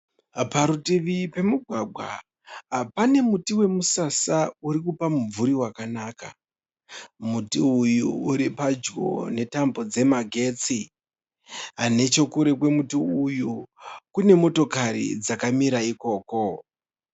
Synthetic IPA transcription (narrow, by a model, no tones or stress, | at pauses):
paɾutiʋipe̞muɡʱwaɡʱwa̰ | pane̞mutiwe̞musasauɾikupamuvuɾiwakanaːka̰ | mutiujuuɾipad͡ʒɡo̞̰ne̞tambo̞d͡ze̞maɡʱe̞ːt͡si | ane̞t͡ʃo̞kuɾe̞kwe̞mutiujukune̞mo̞to̞kaɾḭd͡zakamiɾaiko̞ːko̞